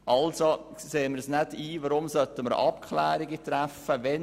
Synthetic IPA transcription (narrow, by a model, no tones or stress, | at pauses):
ʔɑlso | seːməɾsnædiːʋəɾʊmsœt̪ːəməɾ̰ɑpkʰχlæːɾiɡət̪ɾæfəʋɛ